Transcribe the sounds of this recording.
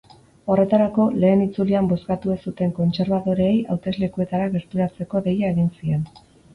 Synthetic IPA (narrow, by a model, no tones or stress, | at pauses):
o̞re̞t̪aɾako̞le̞ːnit͡suliambo̞skat̪uesut̪e̞ŋko̞nt͡se̞ɾβaðo̞ɾeːjawt̪e̞zle̞kue̞t̪aɾaɣe̞ɾt̪uɾat͡se̞ko̞ðe̞jae̞ɣinsie̞n